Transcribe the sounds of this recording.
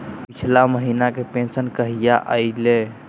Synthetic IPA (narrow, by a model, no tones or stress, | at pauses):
pit͡ʃʰlaməɦinakepẽnsənkəɦijaʔəile